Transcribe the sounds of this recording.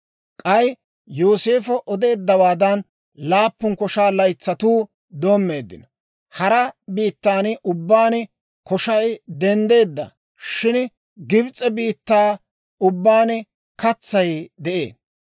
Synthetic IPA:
kʼɐj | joːse̞ːfɔʔɔd̪e̞ːd̪ːɐwaːd̪ɐn | laːpːʊnkɔʃaːlɐjt͡sːɐt̪uː | d̪o̞ːmːe̞ːd̪ːɪ̰nɔ | hɐɾɐbiːt̪ːaːnʔʊbːaːnɪ | kɔʃɐjd̪ɛnd̪e̞ːd̪ːɐ̰ | ʃɪn | ɡɪbt͡sʼːɛbiːt̪ːaː | ʊbːaːnɪ | kɐt͡sːɐjd̪ɛʔe̞̰ːn

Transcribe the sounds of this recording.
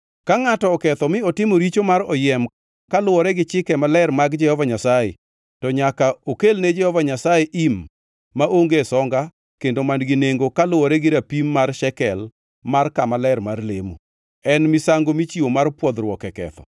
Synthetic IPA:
kaŋatɔːkɛt̪ɔmɪɔtɪmoɾit͡ʃomaɾɔjɛm | kalʊwɔɾɛɡɪt͡ʃɪkɛmalɛrmaɡd͡ʒɛhɔvaɲasajḛ | tɔɲakaokelned͡ʒɛhɔvaɲasajeʔimː | aʔoŋɡesɔŋɡa | kendomandɡɪneŋɡokalʊwɔɾɛɡɪɾapimːarʃɛkɛl | markamalɛrmarlḛmṵ | ɛnmɪsaŋɡomit͡ʃiomarpwɔd̪ɾwɔkɛkɛ̰t̪ɔ̥̰

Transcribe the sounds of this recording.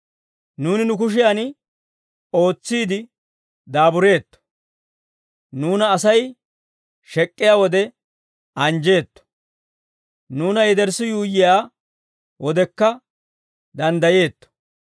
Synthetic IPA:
nuːnɪnʊk̬ʊʃ̬ɪjaːn | o̞ːt͡sːiːd̪ɪ | d̪aːbʊɾe̞ːt̪ːɔ̥ | nuːnɐːsɐj | ʃɛkʼːɪjaːwɔd̪ɛ | ɐnd͡ʒe̞ːt̪ːɔ̥ | nuːnɐjɛd̪ɛɾsɪjuːjːɪjaː | wɔd̪ɛkːɐ | d̪ɐnd̪ɐje̞ːt̪ːɔ̥

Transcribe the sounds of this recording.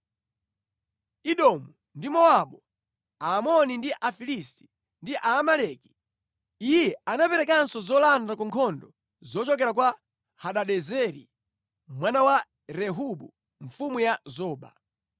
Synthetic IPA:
iɗɔmu | ndimɔaɓɔ | aːmɔnindiʔafilisti̥ | ndiʔaːmalɛki | ijɛanapɛɾɛkansɔzɔlandakɔŋkʰɔndɔ | zɔt͡ʃɔkɛɾak̬wa | haɗaɗɛzɛɾḭ | mwanawa | ɾɛɦuɓu | ɱ̩fumujazɔːɓa

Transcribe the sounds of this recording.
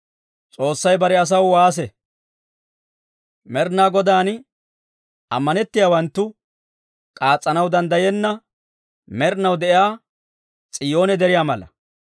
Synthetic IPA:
t͡sʼo̞ːsːɐjbɐɾɛɐs̬ɐwwaːs̬ɛ | mɛɾnaːɡɔd̪aːn | ɐ̰mːɐnɛt̪ːɪjaːwɐnt̪ːʊ | kʼaːt͡sʼːɐnɐwd̪ɐnd̪ɐjɛnːɐ | mɛɾnɐwd̪ɛʔɪaː | t͡sʼɪjo̞ːnɛd̪ɛɾɪjaːmɐlɐ̰

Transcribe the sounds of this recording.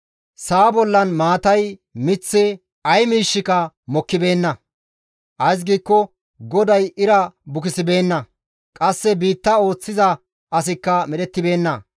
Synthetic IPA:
saːbɔlːɐnmaːt̪ɐjmɪt͡sːɪ | ɐjmiːʃːɪkɐ | mɔkːɪbe̞ːnːɐ | ʔɐjs̬ɡiːkːɔ | ɡɔd̪ɐjɪɾɐbʊkɪsɪbe̞ːnːɐ | kʼɐsːɛbiːt̪ːɐo̞ːt͡sːɪzɐ | ʔɐs̬ɪkːɐmɛɗɛt̪ːɪbe̞ːnːɐ

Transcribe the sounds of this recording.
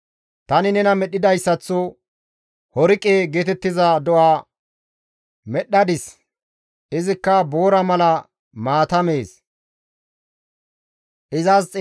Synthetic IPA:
t̪ɐnɪnɛnɐmɛɗɪd̪ɐjsːɐt͡sːɔ | hɔɾɪkʼːeːɡeːt̪ɛt̪ːɪzɐd̪ɔʔaː | mɛɗːɐd̪ɪs | ɪzɪkːɐbo̞ːɾɐmɐlɐ | maːt̪ɐme̞ːs | ʔɪzɐst͡sʼ

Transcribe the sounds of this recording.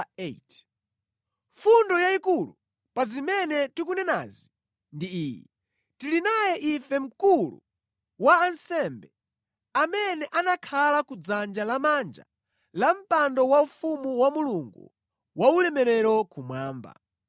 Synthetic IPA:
et | ɱfundɔjaikulu | pazimɛnɛtikunɛna̰ːzi | ndiiːjɛ̰ | tilinajɛʔifɛm̩kulṵ | waːnsɛmbɛ | amɛnɛʔanakʰalakud͡zand͡ʒalamand͡ʒa̰ | lam̩pandɔwaufumuwamuluŋɡṵ | waulɛmɛɾɛɾɔkumwaːmba̰

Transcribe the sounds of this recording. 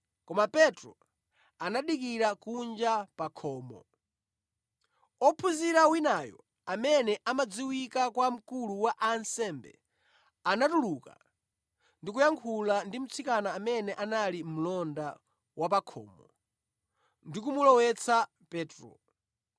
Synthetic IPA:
kɔmapɛtɾɔ | anaɗikiɾakund͡ʒapakʰɔːmɔ̰ | ɔpʰuziɾawinajɔ̰ | amɛnɛʔamad͡ziwikakwam̩kuluwaʔansɛmbɛ̰ | anatuluka̰ | ndik̬ujaŋkʰulandim̩t͡sʰikanaːmɛnɛʔanalim̩lɔnda | wapakʰɔ̰ːmɔ | ndik̬umulɔwɛt͡sʰa | pɛːtɾɔ̰

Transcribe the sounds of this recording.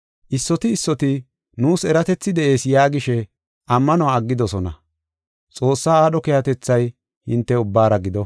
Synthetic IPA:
ʔɪsːɔt̪ɪːsːɔt̪ɪ | nuːsɛɾɐt̪ɛt͡sːɪd̪ɛʔe̞ːsjaːɡɪʃɛ | ʔɐmːɐnɔaːɐɡːɪd̪ɔsɔnɐ̰ | t͡sʼo̞ːsːaːaːɗɔkɛjɐt̪ɛt͡sːɐj | hɪnt̪ːɛʊbːaːɾɐɡɪd̪ɔ

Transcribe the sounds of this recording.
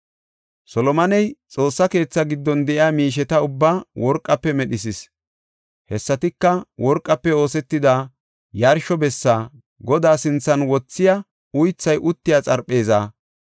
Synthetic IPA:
sɔlɔmɐnɛjt͡sʼo̞ːsːɐke̞ːt͡sːɐɡɪd̪ːɔnd̪ɛʔɪaːmiːʃ̬ɛt̪ɐʊbːaːwɔɾkʼːɐpːɛmɛɗɪs̬ɪs | hɛsːɐt̪ɪkːɐwɔɾkʼːɐpːɛo̞ːsɛt̪ːɪd̪a | jɐɾʃɔbɛsːaː | ɡɔd̪aːsɪnt͡sːɐnwɔt͡sːɪjɐ | ʊjt͡sːɐjʔʊt̪ːɪjaːt͡sʼɐɾpʼːe̞ːzaː

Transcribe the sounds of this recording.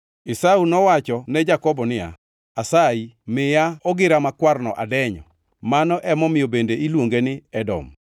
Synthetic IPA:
ɪsaunɔwat͡ʃɔnɛd͡ʒakɔbɔnɪa̰ | asaimɪjaɔɡɪɾamakwarnɔʔa̰dɛɲɔ̰ | manɔʔɛmɔmɪjobendeilwoŋɡenɪɛdɔ̰m

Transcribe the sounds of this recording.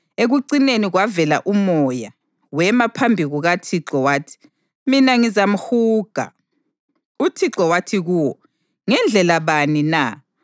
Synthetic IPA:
eɣuǀineniɣwavɛla̰ʔumɔja | wɛmapʰambʱiɣuɣatʰiǁɔwaːtʰi̥ | minaŋizam̩xuːɡ̥ʱa̰ | utʰiǁɔwatʰiɣuːwɔ | ŋɛnd͡ɮʱɛlaβanina

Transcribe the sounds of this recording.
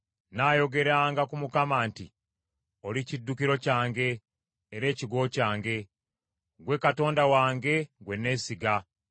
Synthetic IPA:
naːjo̞ɡe̞ɾaːŋɡakumukamaːnti | o̞licidːukiɾo̞caːŋɡe̞ː | ɾe̞ːciɡo̞ːcaːŋɡe̞ | ɡwe̞kato̞ːndawaːŋɡe̞ɡwe̞nːe̞ːsiɡa

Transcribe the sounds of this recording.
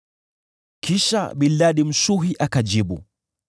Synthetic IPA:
kiʃa̰ɓilːaɗim̩ʃuɦiʔakad͡ʒiɓṵ

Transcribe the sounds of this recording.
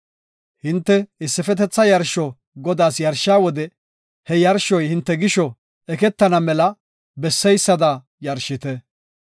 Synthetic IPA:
hɪnt̪ːɛɪsːɪfɛt̪ɛt͡sːɐjɐɾʃɔ | ɡɔd̪aːsjɐɾʃːaːwɔd̪ɛ | hɛjɐɾʃɔjhɪnt̪ːɛɡɪʃɔ | ɛkɛt̪ːɐnɐmɛlɐ | bɛsːɛjsːɐd̪ɐ | jɐɾʃːɪt̪ɛ

